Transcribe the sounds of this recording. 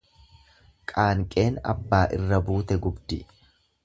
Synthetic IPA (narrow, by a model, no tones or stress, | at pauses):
kʼaːŋkʼe̞ːnɐ̰bːaːʔɪrːɐbuːt̪ɛɡʊbd̪ɪ